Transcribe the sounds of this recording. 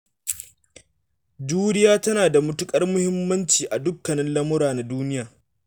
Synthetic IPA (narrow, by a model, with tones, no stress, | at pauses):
d͡ʒuː˦ɾɪ˦jaː˦tɐ˦naː˨da˨mʊ˦tʊ˦kʼɐ˦rmʊ˦hɪ˦mːɐ˦nt͡ʃiː˨ʔa˨dʊ˦kːɐ˨nɪ˦nlɐ˦mʊ˦ɾaː˨na˨duː˦nɪ˦jaː˨